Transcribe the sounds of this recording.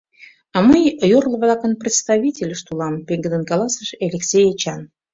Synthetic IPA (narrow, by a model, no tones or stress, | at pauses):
ɑməjjorlˠə̆βlˠɑkə̆nprʲɪt̪st̪ɑvʲitʲelʲəʃt̪ulˠɑmpeŋɡə̆d̪ənkɑlˠɑsəʃelʲeksʲejet͡ɕɑn